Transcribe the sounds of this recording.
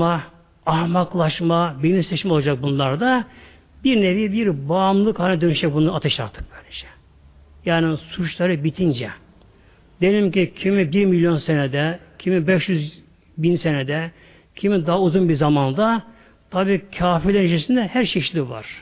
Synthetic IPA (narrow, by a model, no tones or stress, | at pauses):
a | ahmaklˠaʃmabiniseʃmɛolˠad͡ʒak̚bunlˠaɾd̪a | biɾnevibiɾbaːmlˠɯkhaːnʲɛd̪ønyʃɛk̚bunˠaat̪ʰeʃa̰ɾt̪ʰːɯ̥k̚bænd͡ʒɛ̥ | jaːnisut͡ʃlˠaɾɯbit̪ʰind͡ʒɛ | d̪̥ejlʲimcicʰimibiɾmilʲjo̞nsened̪ɛcʰimibɛʃjyz | binsened̪ɛ | cʰimid̪aɦauzunbiɾzamand̪a | t̪ʰabiːcʰaːfiɾlʲɛɾnit͡ʃʰesind̪ɛhæɾʃeʃlʲiva̰ɾ̥